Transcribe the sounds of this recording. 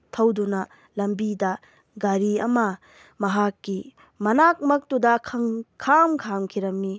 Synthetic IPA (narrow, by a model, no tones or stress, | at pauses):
tʰɐwdunɐ | lɐmbidɐ | ɡaɾiɐmɐ | mɐɦakːi | mɐnak̚mɐk̚tudɐkʰɐŋkʰamkʰamkʰiɾɐmːi